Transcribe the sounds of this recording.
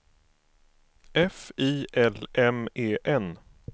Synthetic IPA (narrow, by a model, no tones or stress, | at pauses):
ɛfiːʔɛlɛmeːʔɛn